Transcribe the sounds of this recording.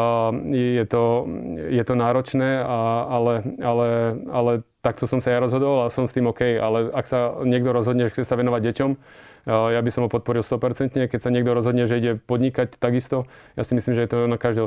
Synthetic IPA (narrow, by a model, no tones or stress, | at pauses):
jɛjɛt̪ɔjɛt̪ɔnaːɾɔt͡ʃnɛːaalɛalɛalɛt̪ak̚t̪ɔsɔmsajaɾɔzɦɔd̪ɔlasɔmst̪iːmɔkɛjalɛaksaɲɪɛɡd̪ɔɾɔzɦɔd̪ɲɛʒɛxt͡sɛsaʋɛnɔʋaɟ̚ɟɛcɔm | jabisɔmɦɔpɔt̪̚pɔɾilˠst̪ɔpɛɾt͡sɛnt̪ɲɛkɛcsaɲɛɡd̪ɔɾɔzɦɔd̪ɲɛʒɛiɟɛpɔd̪ɲikac̚t̪aɡist̪ɔ | jasimisliːmʒɛjɛt̪ɔnakaʒd̪ɛ